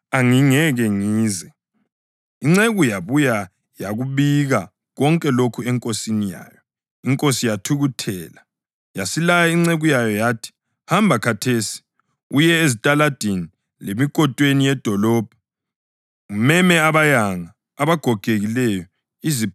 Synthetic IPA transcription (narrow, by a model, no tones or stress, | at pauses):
aŋiŋɛɣɛŋiːzɛ | iŋ͡ǀeɣujaβuja | jaɣuβiɣa | ɣɔŋkʼɛlokʰuɛŋkʼosinija̰ːjɔ | iŋkʼosijatʰuɣutʰɛːla | jasilajaiŋ͡ǀeɣujajɔjaːtʰi̥ | hambʱakʰatʰesi̥ | ujɛezitʼalad̥ʱeni | lemikʼɔtʼwenijɛd̥ʱɔlɔːb̥̚ʱɔ | ŋumɛmɛaβajaŋaː | βaɡ̥ʱɔɡ̥ʱeɣilɛjɔ | izi